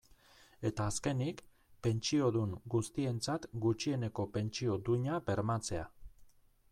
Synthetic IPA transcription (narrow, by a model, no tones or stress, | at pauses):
e̞t̪aːske̞nik | pe̞nt͡ʃio̞ðuŋɡust̪ie̞nt͡sat̪ɡut͡ʃie̞ne̞ko̞pe̞nt͡ʃio̞d̪uɲabe̞ɾmat͡se̞a